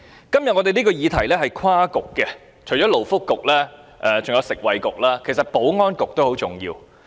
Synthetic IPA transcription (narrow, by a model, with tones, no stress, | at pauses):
kɐ˥mjɐ˨t̚ŋɔː˧t̪e˨jniː˥kɔː˧jiː˨˧t̪ʰɐ˨˩jlɛː˥ɦɐ˨jkʰaː˥kʊ˨kːɛ˧ | t͡ʃʰo˨˩jt͡ʃɔː˨˥lo˨˩wfʊ˥kːʊ˨k̚lɛː˥ʔɛː˨t͡sʊ˨ŋjɐ˨˧wsɪ˨k̚wɐ˨jkʊ˨k̚laː˥kʰe˨˩sɐ˨t̚po˨˥wŋɔː˥nkʊ˨k̚t̪o˥who˨˥wt͡sʊ˨˩ŋjḭː˧w